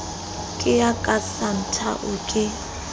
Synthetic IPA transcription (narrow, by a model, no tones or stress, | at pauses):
kʼɪjakʼasan̩tʰa̰ʔʊkʼɪ